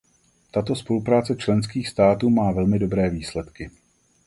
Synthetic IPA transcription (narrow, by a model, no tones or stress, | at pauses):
t̪at̪o̞spo̞lupɾaːt͡sɛt͡ʃlɛnskiːxst̪aːt̪uːmaːvɛlmɪdo̞bɾɛːviːslɛt̪kɪ